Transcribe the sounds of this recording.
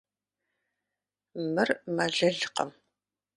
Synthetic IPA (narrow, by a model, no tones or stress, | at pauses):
mɨrmaɮɐɮqɐ̰m